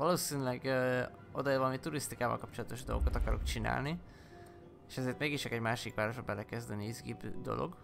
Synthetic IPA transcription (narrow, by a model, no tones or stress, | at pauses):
vɒloːsinylɛɡ | o̞d̪ɒivɒlɒmit̪uɾist̪ikaːvɒ̰lkɒpt͡ʃo̞lɒt̪o̞ʒd̪o̞lɡokot̪ɒkɒɾo̞kt͡ʃina̰ːlni | eʃɛzeːrt̪meːɡiʃt͡ʃɒkɛɟmaːʃikʋaːɾo̞ʃbɒbɛlɛkɛzd̪ɛniːzɡḭbd̪o̞̰lʔo̞̰ɡ